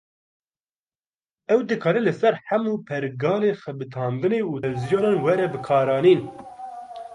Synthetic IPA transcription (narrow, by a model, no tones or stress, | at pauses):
ɛwd̪ɨkʰɑːɾɛlɨsɛɾħamuːpʰɛɾɡɑːleːxɛbɨt̪ʰɑːnd̪ɨneːuːɛwzijoːnɑːnwɛɾɛbɨkʰɑːɾɑːniːn